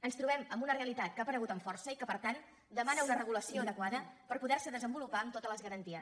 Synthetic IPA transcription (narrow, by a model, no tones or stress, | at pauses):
ənst̪ɾuβɛməmbunəreəlit̪at̪̚kapəɾəɣ̞ut̪əɱfɔrsəikəpəɾt̪an | d̪əmanəunərəɣuləsioəðəkwaðəpəɾpuðɛɾsəðəzəmbulupaəmt̪ot̪ələzɣəɾənt̪iəs